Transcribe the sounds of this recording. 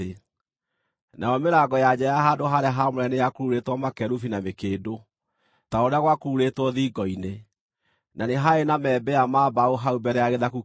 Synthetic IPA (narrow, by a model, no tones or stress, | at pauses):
nʔaɔmeɾaɡɔjad͡ʑajaɦaːndoɦaɾeaɦamoɾɛnejakoɾuɾetwɔmakɛɾufinamekeːdo | taoɾeaɣwakoɾuɾetwɔðiːɡɔine | naneɦaenamɛːbɛamaːbaoɦaubɛɾɛjaɣeðaku